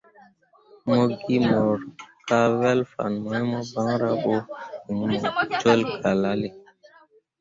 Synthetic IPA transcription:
mo˦ɡi˦mɔ˨ɾka˦wɛ˦lfa̰˨nmɔ˨˦jmɔ˦ba˦ŋɾa˦ɓo˦i˨ŋ˨mɔ˨twe˦lkʰa˨la˦le˨

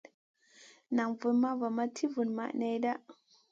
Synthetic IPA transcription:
na˨ŋvu˨nma˦va˨ma˦tʰi˦vu˨nma̰˨ʔna˦jda˦ʔ

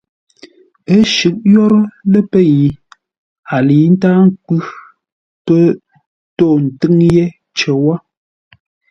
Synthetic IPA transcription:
ə˦ʃʉ˨˦k̚jɔ˦ɾə˦lə˦pə˦ji˨ | a˨li˨˦n̩˦taː˦ŋ˦k͡pʉ˦ | tə˦ | to˦˨n̩˨tɨ˦ŋje˦ | t͡ʃə˨wa˦

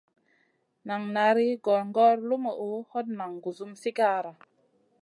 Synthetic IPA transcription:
na˨ŋna˨˦ɾi˦ɡɔ˨ɾŋɡɔ˦ɾlu˦mə˨u˨˦hɔ˦t̚na˨ŋɡu˨zu˦msi˦ka˦ɾa˨

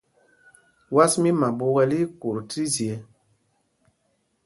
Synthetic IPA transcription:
wa˦smi˦ma˨bo˦wɛ˦li˦ku˨ɾti˦zi˨ɛ˨

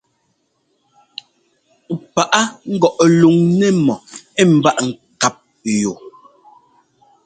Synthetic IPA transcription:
pa˨ʔa˦ŋ̩˦ɡɔ˨ʔlu˨ŋnɛ˦˨mɔ˨ɛ˦m̩˨ba˦ʔŋ̩˨ka˨p̚ | jo˨

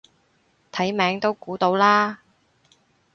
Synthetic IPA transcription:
t̪ʰɐ˨˥jmɛː˨˥ŋt̪o˥wkuː˨˥t̪o˧˥wlaː˥

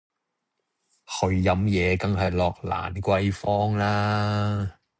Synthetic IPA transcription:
hʰɵ˨˧ɥːɐ˨˧˥mjɛː˨˧kɐ˥ŋɦɐ˨jlɔː˨˧k̚la̰ː˨˩nkʷɐ˥jfɔː˥ŋlaː˥

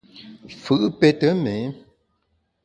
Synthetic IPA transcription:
fɨ˨ʔpe˦tə˦me˨˦

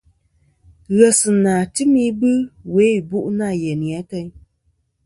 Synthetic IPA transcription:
ɣɛ˨sɨ˨naː˨tɨ˦mi˦bɨ˦we˨˦˨bu˦ʔna˦˨jɛ˨ni˨a˨˦tə˦ɲ

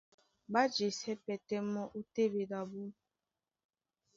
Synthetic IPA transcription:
ba˦d͡ʒe˨sɛ˦pɛ˨te˦mɔ˦ʔu˦te˦be˨da˨bu˦

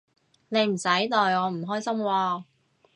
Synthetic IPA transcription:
ne˨˧jm̩˨˩sɐ˨˥jt̪ɔː˨jɔː˨˧m̩˨˩ɦɔː˥jsɐ˥mwaː˧

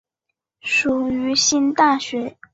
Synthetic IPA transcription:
ʂu˨˩y˧˥ɕi˥nt̪a˥˩ɕɥɛ˧˥

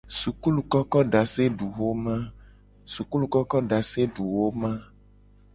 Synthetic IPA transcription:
su˨ku˦lu˨kɔ˦kɔ˦ɖa˨se˦ɖu˨wo˦mã˦ | su˨ku˦lu˨kɔ˦kɔ˦ɖa˨se˦ɖu˨wo˦mã˦

